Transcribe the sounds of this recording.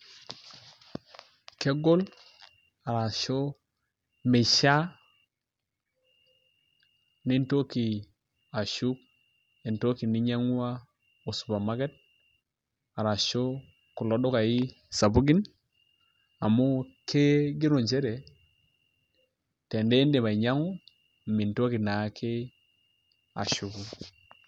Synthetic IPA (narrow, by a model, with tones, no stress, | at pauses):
ke˦ɡo˦l | a˨ɾa˨ʃo˦ | me˨ʃa˦ | ni˦nto˦ki˨ | a˨ʃu˦k̚ | e˨nto˦ki˨ni˦ɲa˦ŋu˦a˦ | o˨su̥˨ba˨ma˦ɡe˦t̚ | a˨ɾa˨ʃo˦ | ku˨lo˦do˦ka˨i˦ | sa˨bu˦ɡi˦n | a˨mu˦kʰe˦ɡi˦ɾo˨ɲd͡ʒe˦ɾe˨ | te˨nde˦nde˨βa˨i˨ɲa˦ŋu˦˨ | mi˨nto˦ki˨na˨˦kʰe˦ | a̰˨ʃu˨ɡu˦